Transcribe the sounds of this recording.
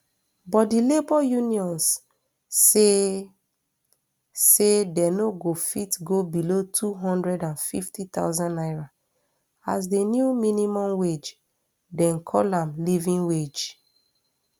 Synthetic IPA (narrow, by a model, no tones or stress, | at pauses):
bɔt̚dilebɔjuniɔ̃ns | e | sedɛnoɡofitɡobilotʰuɦɔ̃ndɹɛdãnfḭftit̪a̰ʊzãnaɪɹa | as̬denjuminimɔ̃mwed͡ʒ | dɛ̃nkʰɔ̰lãmlivĩŋwed͡ʒ